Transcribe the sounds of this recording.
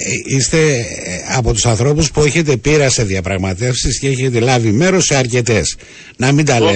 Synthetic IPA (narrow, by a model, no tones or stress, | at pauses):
ist̪e̞ | ɐpo̞t̪usɐnθɾo̞puspue̞çe̞t̪̬e̞piɾɐse̞ðiɐpɾɐɣmɐt̪e̞fsisceeçet̪elɐvime̞ɾo̞seɐɾce̞t̪e̞s | nɐmind̪ɐle